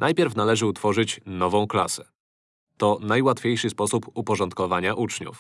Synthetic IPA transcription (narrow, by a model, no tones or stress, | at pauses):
nʔajpʲɛɾfnalɛʐɘut̪fɔʐɘt͡ɕnɔvɔ̃w̃klasɛ | t̪ɔnajwat̪fʲjejʂɘspɔsupupɔʐɔnt̪̚kɔvaɲaʔut͡ʂɲṵf